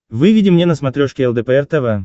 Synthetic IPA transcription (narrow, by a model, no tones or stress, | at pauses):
vɨvʲidʲɪmnʲenəsmɐt̪ɾʲoʂkʲɪɛlˠd̪ɛpɛɛrt̪ɛvɛ